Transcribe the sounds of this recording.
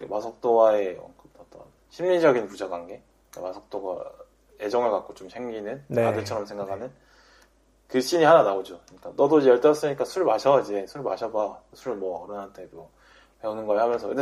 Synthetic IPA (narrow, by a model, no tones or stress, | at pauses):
kemasʰʌk̚t͈owae̞ʌ̰kɯtʌt͈ʌ̰n | ɕʰimɲid͡ʑʌɡinpud͡ʑaɡanɡe̞ | k͈amasʰʌk̚t͈oɡa̰ | e̞d͡ʑʌŋɯɭkak̚k͈ot͡ɕomɕʰe̞ŋɡinɯnnadɯɭt͡ɕʰʌɾʌmsʰe̞ŋɡakʰanɯn | kɯɕʰiɲiɦananaod͡ʑokɯɲik͈anʌdoid͡ʑejʌɭt͈aʌs͈ɯɲik͈asʰuɾmaɕʰʌid͡ʑesʰuɾma̰ɕʰʌbasʰuɾɯɭmʌːɾʌnɦant͈ʰe̞do | pe̞unɯnɡʌhamjʌnsʰʌe